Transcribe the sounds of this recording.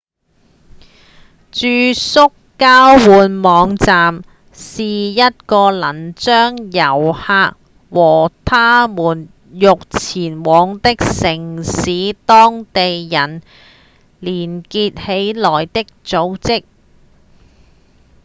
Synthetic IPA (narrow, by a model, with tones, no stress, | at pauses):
t͡ʃyː˧sʊ˥kː | aː˥wwuː˨˧nmɔː˨˧˥ŋt͡saː˨m | siː˨jɐ˥t̚kɔː˧lɐ˨˩nt͡sœː˥ŋjɐ˨˩whaː˧k̚ | wɔː˨˩t̪ʰaː˥muː˨˩n | jʊ˨k̚t͡sʰiː˨˩nwɔː˨˧˥ŋt̪ɪ˥k̚sɪ˨˩ŋsiː˨˥t̪ɔː˥ŋt̪e˨jjɐ˨˩n | liː˨˩nkiː˧t̚he˨˥jlɔː˨˩jt̪ɪ˥k̚t͡so˨˧˥wt͡sɪ˥k̚